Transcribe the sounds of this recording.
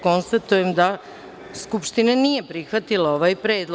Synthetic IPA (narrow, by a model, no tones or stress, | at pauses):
ko̞nst̪at̪ujemd̪a | skupʃt̪inanije̞pɾixʋat̪ilao̞ʋajpɾeːd̪l